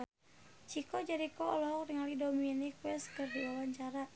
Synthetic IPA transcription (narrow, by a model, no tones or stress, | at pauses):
t͡ʃikɔd͡ʒaɾikɔɔlɔɦɔk̚diŋalidɔminikwɛskərdiawaɲt͡ʃaɾa